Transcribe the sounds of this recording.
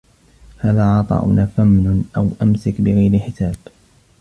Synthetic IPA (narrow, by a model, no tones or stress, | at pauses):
haːðaːʕɑt̪ˤɑ̰ːʔʊ̰nʔaːfamnʊnʔawʔamsakbɪɣajɾɪħɪsaːb̥